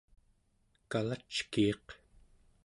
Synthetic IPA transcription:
kalat͡ʃkiːq

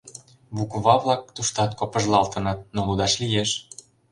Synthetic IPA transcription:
βukβɑβlˠɑk̚t̪uʃt̪ɑt̪̚kŏpə̆ʒlˠɑlt̪ɤ̆nɤt̪̚nolud̪ɑʃlijeʃ

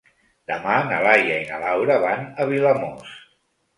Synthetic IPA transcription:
d̪̥əmanalajəina̰lawɾəβanəβiləmos

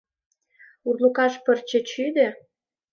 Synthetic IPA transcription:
urlukɑʃpərt͡ɕĕt͡ɕyd̪ĕ

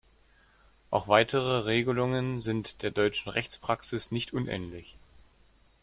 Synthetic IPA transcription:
ʔa̰ʊxv̥aɪtʰəʁ̞əʁeːɡəlʊŋənzɪntd̥eːɐdɔʏt͡ʃn̩ʁɛçt͡spʁ̥aksɪsnɪçtʔʊnʔɛ̰ːnlɪç

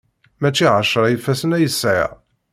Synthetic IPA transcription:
mæt͡ʃːiʕəʃɾˤɑjəfːæsənæjəsːʕa̰

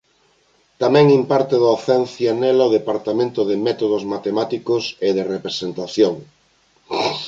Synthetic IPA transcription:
t̪amɛ̃ŋĩmpaɾt̪eðaθɛnθjanelaoð̞epaɾt̪amẽnt̪oðemɛt̪oð̞ozmat̪emat̪ikoseðerepɾesent̪aθjoŋ

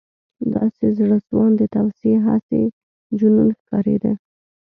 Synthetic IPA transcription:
d̪ɑsezɽəswɑnd̪ət̪awseɦase | d͡ʒununxkɑɾḛd̪e

